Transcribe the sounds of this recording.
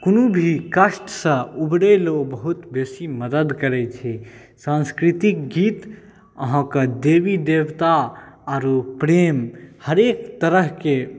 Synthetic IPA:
konubʱikəʃʈsə̃ubɽelobəɦut̪besiməd̪əd̪kəɾɛt͡ʃʰɛ | sãnskɾit̪ik̚ɡit̪ | əɦãkəd̪ebid̪ebt̪aaɾopɾemhəɾekt̪əɾəɦke

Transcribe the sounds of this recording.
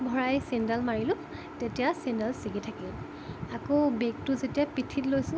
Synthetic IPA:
bʱɔɹajsindalmaɹilʊ̃ | tetijasindalsiɡitʰakil | akobek̚tʊzetijapitʰitlojsʊ̃

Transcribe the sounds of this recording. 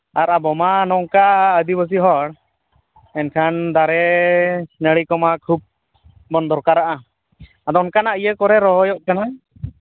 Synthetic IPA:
aɾabɔmanɔŋkaəd̪ibəs̬iɦɔɽ | ɛnkʰand̪aɾɛ | nəɭikɔmakʰub̚ | bɔnd̪ɔɾkaɾaʔa | ad̪ɔnkanaʔijəkɔɾɛɾɔɦɔjɔʔkana

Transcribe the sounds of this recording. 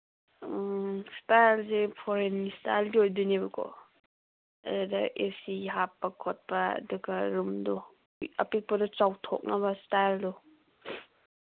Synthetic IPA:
stajlsepʰoɾenmistajlɡiojdunebɐkʰɔ̰ | ɐ̰dudɐʔesiɦapːɐkʰot̚pɐɐ̰duɡɐɾumdu | ɐ̰pik̚pɐdɔt͡ʃawtʰo̰k̚nɐbɐstajldu

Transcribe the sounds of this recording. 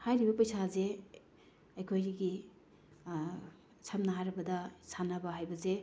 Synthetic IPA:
hajɾibɐpɐjsaze | ɐjkʰojɾiɡi | sʰamnɐɦajɾɐbɐdɐsanabɐɦajbɐze

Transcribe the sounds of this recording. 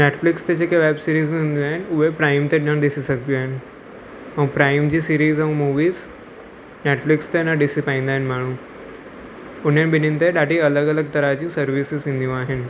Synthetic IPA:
neʈflikst̪et͡ɕekeʋɛbsiɾiːzĩnd̪iaɦenuʋepɾajmt̪eɖəɳd̪isisəkt̪iaen | ə̃w̃pɾajmd͡ʑiːsiɾiːzə̃w̃muʋiːz | neʈflikst̪enaɖisipãĩnd̪ajnm̤aɽ̃ũː | un̤enbinint̪eɖaʈiələɡələɡ̚t̪əɾat͡ɕĩsəɾʋisizĩnd̪jũaɦen

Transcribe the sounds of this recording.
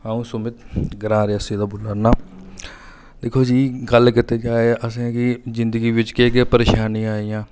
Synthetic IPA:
aːũːsʊmɪt̪ɡəɾãːɾeəsiːd̪aːbʊlaːnaː | d̪eːkʰoːd͡ʒiːɡəlkɪt̪eːd͡ʒaːeʔəsẽkizɪnd̪əɡiːʋɪt͡ʃkeːkeːpəɾeːʃaːnĩːaːijãː

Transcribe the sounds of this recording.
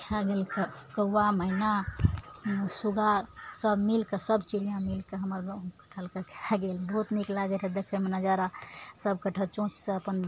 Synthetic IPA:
kʰeaɡelke | kəwaməina | suɡasəbmilkesəbt͡ʃilijãmilkeɦəməɾɡkə̥ʈʰəlkekʰeaɡelbəɦut̪niklaɡeɾed̪ekʰemenəd͡ʒaɾasəbkəʈʰəlt͡ʃõt͡ʃseəpən

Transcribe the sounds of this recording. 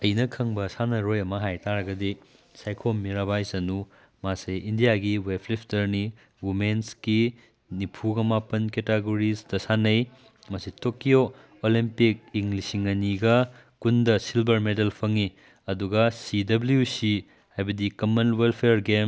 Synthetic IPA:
ɐjnɐkʰɐŋbɐsanɐɾojɐmɐɦajtaɾɐɡɐdi | sajkʰomiɾabajsɐnu | masɐjindijaɡiwepʰlipʰtɐɾni | wumenski | nipʰuɡɐmapɐnketeɡoɾisdɐsanɐj | mɐsitokijo | olimpik̚iŋlisiŋɐniɡɐ | kundɐsilbɐɾmedelpʰɐŋi | ɐduɡɐsidɐbljusi | hajbɐdikɐmɐnwelpʰeɾɡem

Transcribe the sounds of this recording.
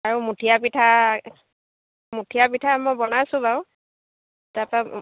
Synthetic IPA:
aɹumutʰijapitʰa | mutʰijapitʰamɔjbɔnasʊ̃baʊ | tapa

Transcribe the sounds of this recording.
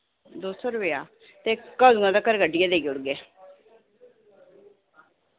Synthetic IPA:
d̪oːsɔːɾʊpejaː | t̪eːkəd̪uŋãd̪akəɾɡəɖɪjaːd̪eːɡiʊɽɡeː

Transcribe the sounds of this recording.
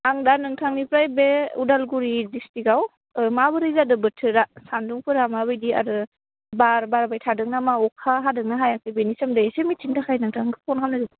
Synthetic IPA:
aŋdanɯŋtʰaŋnipɾajbeṵdalɡuɾidistiɡaw | mabɯɾɯjzadɯbɯtʰɯɾasanduŋpʰɯɾamaβɯjdia̰dɯ | baɾbaɾbajtʰadɯk̚namaɔkʰaɦadɯŋ̚naɦajakʰɯjbenisɐmdajesemitintakʰajnɯŋtʰaŋɡɯpʰɔnkʰamnɯzɯ

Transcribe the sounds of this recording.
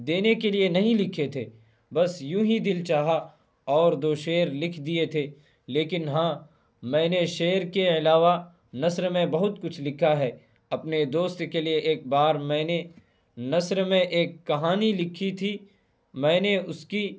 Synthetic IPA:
d̪eːnekelienɐɦĩlɪkʰet̪ʰeː | bɐsjũːɦid̪ɪlt͡ʃaːɦa | ɔːɾd̪oːʃeːɾlɪkʰd̪iet̪ʰe | leːkɪnɦãː | mɛ̃ːneʃeːɾkeɪlaːʋa | nɐsɾmẽbɐɦʊt̪kʊt͡ʃʰlɪkʰaɦɛː | ɐpned̪oːst̪kelieʔeːk̚baːɾmɛ̃ːne | nɐsɾmẽʔeːkːɐɦaːnilɪkʰit̪ʰi | mɛ̃ːneʊski

